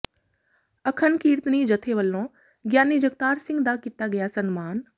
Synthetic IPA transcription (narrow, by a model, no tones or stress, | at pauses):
ɐkʰənkiːɾt̪nid͡ʑɐt̪ʰeʋɐlnõː | ɡjaːnid͡ʒɐkt̪aːɾsɪ̃ŋɡd̪aːkɪt̪aɡɐjasɐnmaːn